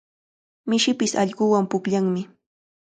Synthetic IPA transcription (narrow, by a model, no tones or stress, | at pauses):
mɪʃɪpɪsɑ̰ʎɢʊwampʊkʎaŋmɪ